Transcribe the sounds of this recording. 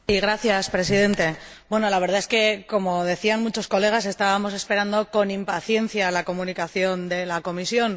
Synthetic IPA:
iɣ̞ɾaθjaspɾe̞sið̞e̞nt̪e̞bwe̞no̞laβ̞e̞ɾð̞ae̞ske̞ko̞mo̞ðe̞θianmut͡ʃo̞sko̞le̞ɣ̞as̬e̞st̪aβamo̞se̞spe̞ɾand̪o̞ko̞nimpaθje̞n̟θjalako̞mũnikaθjo̞nd̪e̞lako̞misjo̞n

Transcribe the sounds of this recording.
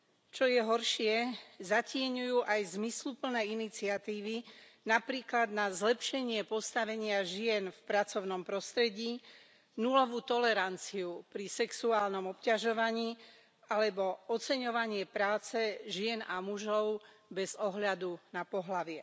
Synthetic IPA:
t͡ʃɔjɛɦɔɾʃɪɛzacɪɛɲujuːʔajzmislupl̩nɛːinit͡siat̪iːʋinapɾiːklad̪nazlɛpʃɛɲɪɛpɔst̪aʋɛɲɪaʒɪɛnfpɾat͡sɔʊnɔmpɾɔst̪ɾɛɟiː | nulɔʋuːt̪ɔlɛɾant͡siupɾisɛksuaːlnɔmɔpcaʒɔʋaɲiː | alɛbɔɔt͡sɛɲɔʋaɲɪɛpɾaːt͡sɛʒɪɛnamuʒɔʊ | bɛzɔɦʎad̪unapɔɦlaʋɪɛ

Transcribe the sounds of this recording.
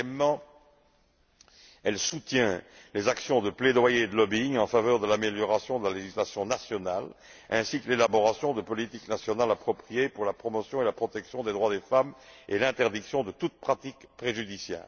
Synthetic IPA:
ɛmːɑ̃ | ɛlsut̪jɛ̃lezaksjɔ̃d̪əpled̪wajed̪əlɔbiŋɑ̃favœːʁd̪əlameljɔʁasjɔ̃d̪əlaleʒislasjɔ̃nasjɔnal | ɛ̃sikəlelabɔʁasjɔ̃d̪əpɔlit̪iknasjɔnalapχɔpχijepuʁlapχɔmɔsjɔ̃elapχɔt̪ɛksjɔ̃d̪ed̪ʁwad̪efamelɛ̃t̪ɛʁd̪iksjɔ̃d̪ət̪ut̪̚pχat̪ikpχeʒyd̪isjɛ̰ːʁ

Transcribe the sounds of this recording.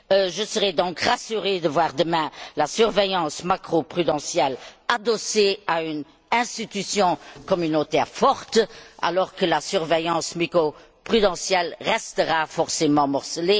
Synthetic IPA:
ʒəsəʁɛd̪ɔ̃kʁasyʁed̪əvwaʁd̪əmɛ̃lasyʁvejɑ̃smakχopχyd̪ɑ̃sjɛlad̪ɔseayn | ɛ̃st̪it̪ysjɔ̃kɔmynot̪ɛːʁfɔʁt̪a̰lɔʁkəlasyʁvejɑ̃smikʁo | pχyd̪ɑ̃sjɛlʁɛst̪əʁafɔʁsemɑ̃mɔʁsəle

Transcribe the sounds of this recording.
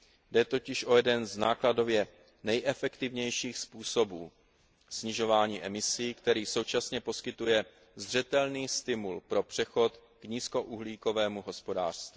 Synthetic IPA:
dɛt̪o̞cɪʃʔo̞jɛdɛnzna̰ːklado̞vjɛ | nɛjʔɛfɛkt̪ɪvɲɛjʃiːxspuːsobuː | sɲɪʒo̞vaːɲiːʔɛmɪsiːkt̪ɛɾiːso̞wt͡ʃasɲɛpo̞skɪt̪ujɛ | zr̝ɛt̪ɛlniːst̪ɪmulpɾo̞pr̥ɛxo̞t̪ | kɲiːsko̞ʔuɦliːko̞vɛːmuɦo̞spo̞da̰ːr̥st̪vi

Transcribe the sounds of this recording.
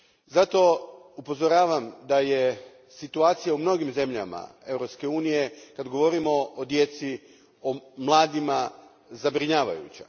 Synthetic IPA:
zat̪o̞upo̞zoɾaːʋamd̪aje̞ | sit̪uaːt̪sijaumno̞ɡimze̞mʎa̰ma̰e̞vɾo̞pske̞uːnije̞kad̪ɡo̞ʋo̞ɾimo̞od̪je̞t̪si | omlˠaːd̪ima | zabɾiɲaːʋa̰jṵt͡ɕa̰

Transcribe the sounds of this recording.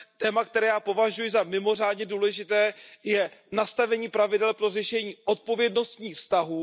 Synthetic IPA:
t̪ɛːmak̚t̪ɛɾɛːjaːpo̞vaʒujɪzamɪmo̞r̝aːdɲɛduːlɛʒɪt̪ɛːjɛnast̪avɛɲiːpɾavɪdɛlpɾo̞rɛʃɛɲiːʔo̞t̪̚po̞vjɛdno̞st̪ɲiːxfst̪aɦuː

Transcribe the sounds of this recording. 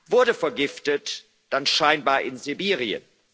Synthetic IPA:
vʊɐdəfɛɐɡɪftət | d̥anʃaɪnbaːɐʔɪnzibiːʁiə̰n

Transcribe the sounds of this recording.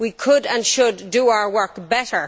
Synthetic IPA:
wikʰʊdə̃nʃʊdːəaʊə˞wɜ˞kbɛɾə˞

